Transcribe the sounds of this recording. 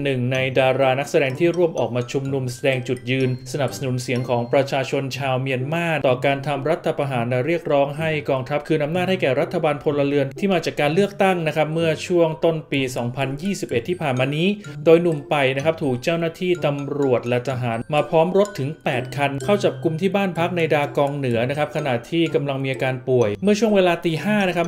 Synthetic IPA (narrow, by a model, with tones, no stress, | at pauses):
nɯ˨˩ŋna˧jdaː˧ɾaː˧na˦˥k̚sa˧dɛː˧ŋt̪ʰiː˥˩ɾu˥˩əmʔɔ̰ː˨˩k̚maː˧t͡ɕʰu˧mnu˧msa˧dɛː˧ŋt͡ɕu˨˩t̪̚jɯː˧nsa˧na˨˩p̚sa˧nu˩˦nsi˩˦əŋkʰɔː˩˦ŋpɾa˧t͡ɕʰaː˧t͡ɕʰo˧nt͡ɕʰaː˧wmi˧ənmaː˥˩t̪ɔː˨˩kaː˧nt̪ʰa˧mɾa˦˥t̪ʰːa˧pʰa˧ɦaː˩˦nlɛ˧˩ɾi˥˩ək̚ɾɔː˦˥ŋɦa˥˩jkɔː˧ŋt̪ʰa˦˥p̚kʰɯː˧nʔa˧mnaː˥˩t̪̚ha˥˩jkɛː˨˩ɾa˦˥t̪ʰːa˧baː˧npʰo˧lːa˧lɯ˧ənt̪ʰiː˥˩maː˧t͡ɕaː˨˩kːaː˧nlɯ˥˩ək̚t̪a˥˩ŋna˦˥kʰa˦˥p̚mɯ˥˩ət͡ɕʰu˥˩əŋt̪o˥˩npiː˧sɔː˩˦ŋpʰa˧njiː˥˩si˨˩p̚ʔe˨˩t̪ʰːiː˥˩pʰaː˨˩nmaː˧niː˦˥doː˧jnu˨˩mpa˧jna˦˥kʰa˦˥p̚t̪ʰuː˨˩k̚t͡ɕaː˥˩wnaː˥˩t̪ʰiː˥˩t̪a˧mɾu˨˩ət̪̚lɛ˧˩t̪ʰa˧ɦaː˩˦nmaː˧pʰɔː˦˥mɾo˦˥t̪ʰːɯ˩˦ŋpɛː˨˩t̪̚kʰa˧nkʰa˥˩wt͡ɕa˨˩p̚ku˧mt̪ʰiː˥˩baː˥˩npʰa˦˥k̚na˧jdaː˧kɔː˧ŋnɯ˩˦ɐna˦˥kʰa˦˥p̚kʰa˧na˨˩t̪ʰiː˥˩ka˧mla˧ŋmiː˧ʔaː˧kaː˧npu˨˩əjmɯ˥˩ət͡ɕʰu˥˩əŋweː˧laː˧t̪iː˧haː˥˩na˦˥kʰa˦˥p̚